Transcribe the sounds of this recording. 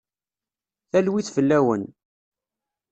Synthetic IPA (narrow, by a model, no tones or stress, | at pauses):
θælwiθfəlːæwə̰n